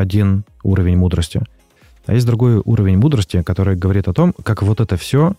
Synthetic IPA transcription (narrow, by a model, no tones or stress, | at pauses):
ɐdʲin | ṵɾəvʲɪnʲmud̪ɾəsʲtʲɪ̰ | ɐ̰jes̬ʲt̚ʲd̪ɾʊɡo̞jʔuɾəvʲɪnʲmud̪ɾəsʲtʲɪkɐt̪o̞ɾɨjəɡəvɐɾʲit̪ɐt̪o̞mkakvo̞t̪ɛt̪əfsʲo